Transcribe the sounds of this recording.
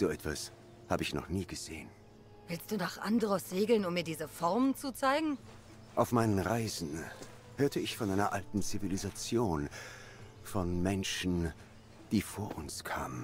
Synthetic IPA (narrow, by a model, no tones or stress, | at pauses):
z̥oːʔɛtv̥as | haːbəɪçnɔ̰χniːɡəz̥eːən | v̥ɪlstd̥uːnaːχʔa̰ndəʁəsʁeːɡl̩nʊmːiːɐdiːzəfɔɐmənt͡sut͡saɪɡŋ̩ | ʔaʊfmaɪnənʁaɪzn̩ | høːɐtʰəɪçfɔnʔaɪnɐʔaltn̩t͡sivilizat͡sjoːn | fɔnmɛnʃn̩ | d̥iːfoːɐʔʊnskʰa̰ːmən